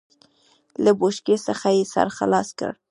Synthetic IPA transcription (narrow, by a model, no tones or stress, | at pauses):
laboʃkesəxajesa̰ɾxa̰lɑskə̰ɽ